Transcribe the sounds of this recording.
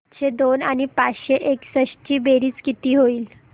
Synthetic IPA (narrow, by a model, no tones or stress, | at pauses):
t͡ɕed̪onañipat͡sɕeʔeksəɕt͡ɕiːbeɾiːt͡skit̪iːɦoiːl